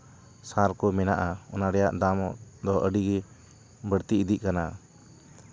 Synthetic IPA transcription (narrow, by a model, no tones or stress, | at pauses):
saɾkɔmɛnaʔaɔ̰naɾɛjaʔd̪amɔd̪ɔʔəɖiɡɛ | bəɽt̪iid̪iʔ̚kana